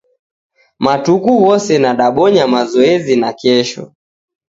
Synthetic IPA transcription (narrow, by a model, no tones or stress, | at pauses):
matukuwɔsɛnaɗaɓɔɲamazɔɛzinakɛʃɔ̰